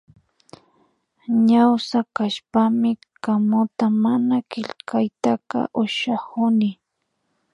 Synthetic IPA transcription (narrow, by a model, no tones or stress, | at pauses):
ɲawsakaʃpamɪ | kamʊt̪amanakɪʎkʰajt̪aka̰ʔʊʃahʊnɪ